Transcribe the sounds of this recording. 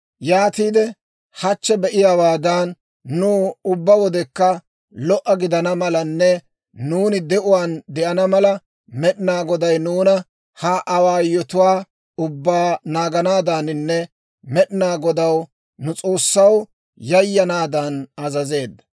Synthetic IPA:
jaːt̪iːd̪ɛ | hɐt͡ʃːɛbɛʔɪjaːwaːd̪ɐnː | uːʊbːɐwɔd̪ɛkːɐ | lɔʔɐɡɪd̪ɐnɐmɐlɐnːɛ | nuːnɪd̪ɛʔʊwaːnd̪ɛʔɐnɐmɐlɐ | mɛɗɪnaːɡɔd̪ɐjnuːnɐ | hɐʔɐwaːjɔt̪ʊwaː | ʊbːaːnaːɡɐnaːd̪anɪnːɛ | mɛɗɪnaːɡɔd̪ɐw | nʊt͡sʼo̞ːsːɐw | jɐjːɐnaːd̪ɐnɐzɐze̞ːd̪ːɐ̥

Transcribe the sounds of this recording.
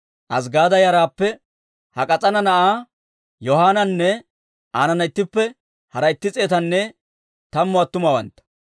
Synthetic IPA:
ʔɐs̬ɡaːd̪ɐjɐɾaːpːɛ | hɐkʼɐt͡sʼɐnɐnɐʔaː | jɔhaːnɐnːɛ | ʔaːnɐnɐɪt̪ːɪpːɛ | hɐɾɐjɪt̪ːɪt͡sʼeːt̪ɐnːɛ | t̪ɐmːʊɐt̪ːʊmɐwɐ̰nt̪ːɐ̥

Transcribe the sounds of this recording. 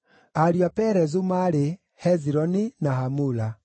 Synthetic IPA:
aɾjapɛɾɛzumaɾe | hɛziɾɔninaɦamula

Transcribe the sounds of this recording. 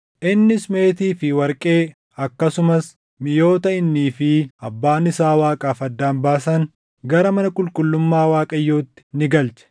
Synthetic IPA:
ʔɪnːɪsme̞ːt̪iːfɪwɐɾkʼe̞ː | ɐkːɐsʊmɐs | mɪjo̞ːt̪ɐɪnːiːfɪɐbːaːnɪsaːwaːkʼaːfɐd̪ːaːnbaːsɐŋ | ɡɐɾɐmɐnɐkʼʊlkʼʊlːʊmːaːwaːkʼɐjːo̞ːt̪ːɪ̥nɪɡɐlt͡ʃɛ̥

